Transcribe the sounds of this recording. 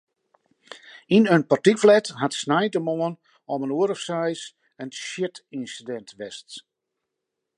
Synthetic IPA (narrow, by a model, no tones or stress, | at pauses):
inənpartikflɛtɦatsnajtəmoən | ɔmənuəɾəfsɛjs | ənʃɪtinsidɛntʋɛst